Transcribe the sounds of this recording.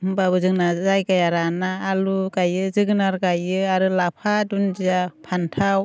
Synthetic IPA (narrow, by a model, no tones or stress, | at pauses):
mmbabɯzɯŋnazajkajaɾanaːluɡajɯzɯɡɯnaɾɡajɯaɾɯlapʰadund͡ʒiapʰantʰaw